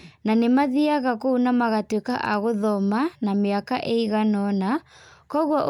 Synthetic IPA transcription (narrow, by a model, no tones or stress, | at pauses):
nanemaðiaɣakounamaɣatwekaʔaɣoðɔmanameakaʔeiɣanɔnakɔɣwaʔ